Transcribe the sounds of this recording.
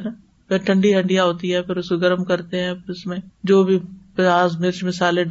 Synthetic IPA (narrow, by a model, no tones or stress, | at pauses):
nɐ | pɪʈʰɐ̃ɳɖiɦɐ̃ɳɖijaɦoːt̪iɦɛpʰɪɾʊskoɡɐɾəmkɐɾt̪eɦɛ̃ːʊsmẽd͡ʒoːbʱipaːzmɪɾʃmɪsaːlẽɖ